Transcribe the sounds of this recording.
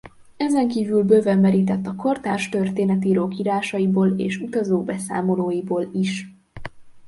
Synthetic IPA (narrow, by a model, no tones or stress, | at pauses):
ɛzɛŋkiːvylbøvɛmɛɾiːt̪ɛt̪ːɒko̞rt̪aːrʃt̪ø̞rt̪eːnɛt̪iɾoːkiːɾaːʃɒjiboːlḛːʃut̪ɒzoːbɛsa̰ːmo̞loːjiboːliʃ